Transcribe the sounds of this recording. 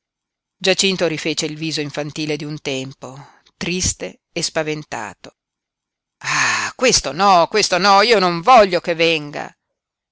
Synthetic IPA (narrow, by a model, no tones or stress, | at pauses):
d͡ʒat͡ʃint̪oɾifeːt͡ʃeilviːzoiɱfant̪iːled̪iunt̪ɛmpo | t̪ɾist̪eː | spavent̪a̰ːt̪o | akwest̪onɔkwest̪onɔiːonoɱvɔʎːokevːɛŋɡa̰